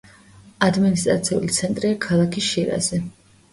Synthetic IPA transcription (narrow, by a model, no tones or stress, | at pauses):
ad̪minist̪ʼɾat̪sʰiṵlit̪sʰɛnt̪ʼɾiakʰalˠakʰiʃiɾa̰zɛ